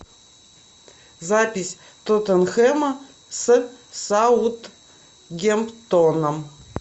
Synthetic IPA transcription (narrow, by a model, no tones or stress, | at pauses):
zapʲɪsʲ | t̪ot̪ənxɛmɐ | sɨsaut̪ | ɡʲempt̪onɐm